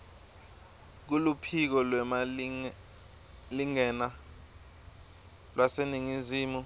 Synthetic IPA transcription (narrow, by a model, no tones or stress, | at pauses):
k̬ulupʰik̬ɔlwɛma | liŋɛna | lwaseniŋiziːmu